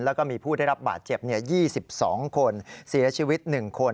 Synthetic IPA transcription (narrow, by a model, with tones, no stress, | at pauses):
lɛː˦˥wkɔː˥˩miː˧pʰuː˥˩da˥˩jɾa˦˥p̚ba̰ː˨˩t̪̚t͡ɕe˨˩p̚ni˥˩ɐjiː˥˩si˨˩p̚sɔː˩˦ŋkʰo˧nsi˩˦t͡ɕʰiː˧wi˦˥t̪̚nɯ˨˩ŋkʰo˧